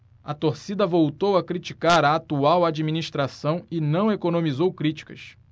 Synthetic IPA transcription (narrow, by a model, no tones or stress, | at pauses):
ɐt̪oɾsid̪ɐvowt̪owɐkɾit͡ʃikaɾɐːt̪uawad͡ʒiminiʃt̪ɾasɐ̃w̃ɪnɐ̃w̃ekonõmizowkɾit͡ʃi̥kɐ̰s